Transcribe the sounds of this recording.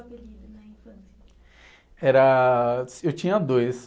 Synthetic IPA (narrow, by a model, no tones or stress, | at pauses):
einɐĩfɐ̃s | ɛɾɐsewt͡ʃĩɲɐd̪ojs